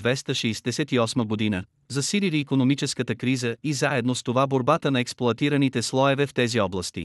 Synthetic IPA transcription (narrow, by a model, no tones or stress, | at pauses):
vɛst̪əʃɛjsd̪ɛsɛt̪iɔsməɡod̪inə | zɐsililiːkonomit͡ʃɛskət̪əkɾizəizaɛd̪nost̪ovaboɾbat̪ənɐɛksplˠoɐt̪iɾənit̪ɛslˠɔɛvɛft̪ɛziɔblˠəst̪ḭ